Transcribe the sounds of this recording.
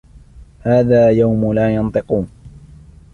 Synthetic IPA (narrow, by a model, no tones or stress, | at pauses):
haːðaːjawmʊlaːjɑnt̪ˤɨquːn